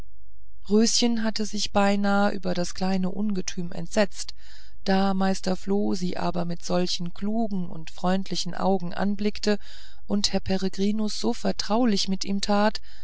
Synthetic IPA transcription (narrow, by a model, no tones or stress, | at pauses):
ʁøːsçənɦatəzɪçb̥aɪnaːəʔy̰ːbɐɾaskl̥aɪnəʔʊnɡətʰyːmɛ̰ntz̥ɛt͡st | d̥aːmaɪstɐfloːziːʔa̰ːbɐmɪtz̥ɔlçn̩kl̥uːɡŋ̩ʊ̰ntfʁ̥ɔʏntʰlɪçn̩ʔa̰ʊɡŋ̩ʔa̰nblɪktə | ʔʊnthɛɐpʰɛʁeɡʁiːnʊsz̥oːfɛɐtʁ̥aʊlɪçmɪtiːmtʰaːt